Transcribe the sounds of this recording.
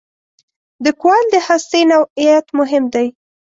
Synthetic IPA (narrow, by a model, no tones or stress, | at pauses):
d̪əkwald̪əhast̪enawijat̪mʊɦɪmd̪aj